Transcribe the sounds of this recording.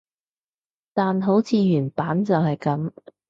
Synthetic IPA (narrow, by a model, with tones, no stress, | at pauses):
t̪aː˨nɦo˨˥wt͡sʰiː˧jyː˨˩npaː˨˥nt͡sɐ˨whɐ˨jkɐ˨˥m